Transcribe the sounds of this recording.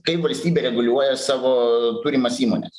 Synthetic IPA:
kɐɪpʋɐlʲsʲt̪ʲiːbʲɛɾʲɛɡʊlʲuɔjɛsɑːʋoːt̪uːɾʲɪmɐsiːmonʲɛ̰s

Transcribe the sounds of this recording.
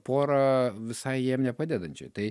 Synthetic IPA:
poːɾɐʋʲɪsɐɪjiɛmnʲɛpɑd̪ʲɛd̪ɐnʲt͡ʃʲo̰ɪt̪ɐɪ

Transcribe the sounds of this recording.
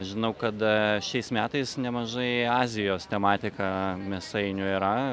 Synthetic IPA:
ʒʲɪnɐʊkɐt̪ʃʲɛɪsmʲæːt̪ɐɪsnʲɛmɐʒɐɪɑːzʲɪjoːst̪ʲɛmɑːt̪ʲɪkɑmʲɛsɐɪnʲʊiːɾɐ

